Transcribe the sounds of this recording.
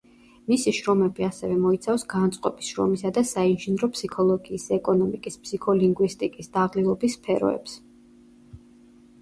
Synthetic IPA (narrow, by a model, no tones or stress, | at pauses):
misiʃɾɔmɛbiasɛvɛmɔit̪sʰafsɡant̪sʼqʼɔbisʃɾɔ̰misad̪asainʒinɾɔpʰsikʰɔlˠɔɡiːsɛkʼɔnɔmikʼispsikʰɔliŋɡwist̪ʼikʼisd̪aʁlilˠɔbisːpʰɛɾɔ̰ɛ̰ps